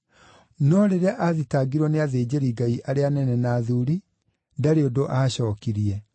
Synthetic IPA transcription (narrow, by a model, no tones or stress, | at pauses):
nɔɾeɾɛʔaðitaːɡiɾwɔneaðeːd͡ʑeɾiɡaiʔaɾeanɛnɛnaːðuɾi | daɾeodoʔaɕɔːkiɾiɛ